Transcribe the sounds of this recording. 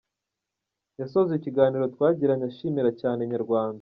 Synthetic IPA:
jasozeiciɡaːniːɾo̞twaːɟiɾaɲaʃiːmiɾacaːne̞ɲaɾɡwaːndaa

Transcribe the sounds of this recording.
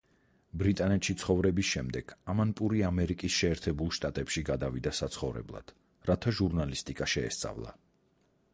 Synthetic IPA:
bɾit̪ʼanɛt̪ʃit̪sʰχɔvɾɛbisʃɛmd̪ɛɡ̥amanpʼuɾiamɛɾikʼisʃɛːɾt̪ʰɛbulˠʃt̪ʼat̪ʼɛpʃiɡad̪avid̪asat̪sʰχɔvɾɛ̰blˠa̰d̪̥ | ɾat̪ʰaʒuɾnalist̪ʼikʼaʃɛːst̪sʼa̰vlˠa̰

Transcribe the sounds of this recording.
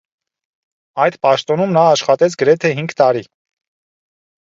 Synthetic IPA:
ɑjd̪pɑʃt̪ɔnumnɑːʃχɑt̪ɛt͡sʰɡəɾɛt̪ʰɛɦiŋɡt̪ɑɾi

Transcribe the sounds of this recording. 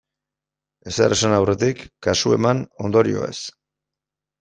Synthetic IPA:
e̞seɾesanawre̞t̪ikːasue̞̰mano̞nd̪o̞ɾio̞̰e̞̰s

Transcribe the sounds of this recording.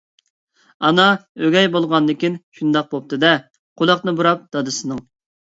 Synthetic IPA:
ɑnɑøɡʲɛjbolˠʁɑnd̪ɪkʲinʃund̪ɑq̚bop̚t̪ʰɨd̪ɛ | qʰʊlˠɑqnɨbuɾɑp̚d̪̥ɑd̪ɨsɨnɨŋ

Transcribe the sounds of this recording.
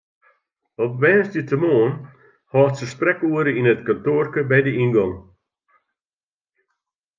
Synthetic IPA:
ɔp̚ʋɛːsdətʰəmoːn | hɑːtsəsprɛkuəɾəinətkantoːrkəbɛjdəinɡɔŋ

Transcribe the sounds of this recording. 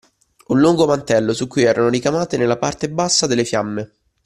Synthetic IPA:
unlːuŋɡomant̪ɛlːosukːujɛːɾanoɾikamaːt̪enelːapart̪ebasːad̪elːefjamːe

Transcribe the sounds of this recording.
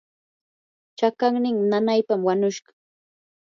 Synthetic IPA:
t͡ʃakaŋnɪŋnanajpamwaɲʊʃɢɑ̥

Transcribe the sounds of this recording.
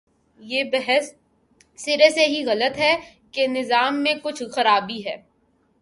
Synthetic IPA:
jeːbɛɦɛsː | ɪɾeseɦiɣɐlət̪ɦɛ | kenɪzaːmːẽkʊt͡ʃʰxɐɾaːbiɦɛː

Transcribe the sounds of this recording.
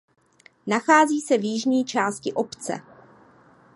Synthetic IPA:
naxaːziːsɛvjɪʒɲiːt͡ʃaːscɪʔopt͡sɛ̰

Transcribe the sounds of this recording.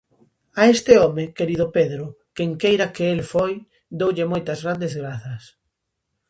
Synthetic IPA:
aest̪ɪɔmekeɾiðʊpeðɾʊ | keŋkejɾakeelfoj | d̪owʎemojt̪ɐzɣɾand̪ezɣɾaθɐs

